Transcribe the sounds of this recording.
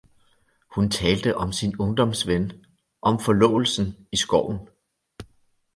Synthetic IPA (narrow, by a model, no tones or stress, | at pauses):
hunt͡sʰɛːld̥əʔɒ̽msinɔ̽ŋd̥ɒ̽msʋen | ʔɒ̽mfɒ̽lɔ̰̽ːl̩sn̩isɡ̥ɒʊ̰n̩